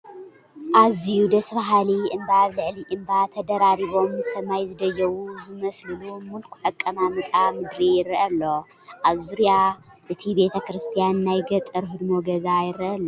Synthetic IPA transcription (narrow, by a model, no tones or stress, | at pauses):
ʔazijud̪ɐsbaɦaliʔɨmbaβlɨʕliʔɨmbat̪ʰɐd̪ɐɾaɾiβo̞mnɨsɐmajzɨd̪ɐjːɐwuzɨmɐslɨlumulkʰu̥ħɐkʼːɐmamɨt̪ʼamɨd̪ɾijɪɾɐʔɐlːo̞ | ʔaβzuɾija | ʔɨt̪ʰibe̞t̪ʰɐkɾɨst̪ʰijanːajɡɐt̪ʼɐɾɦɨd̪moɡɐzajɪɾːiʔɐlːo